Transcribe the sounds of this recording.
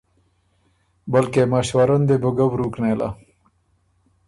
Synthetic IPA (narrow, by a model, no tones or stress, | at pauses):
bəlkemaɕwaɾənd̪ebəɡəwɾuknela̰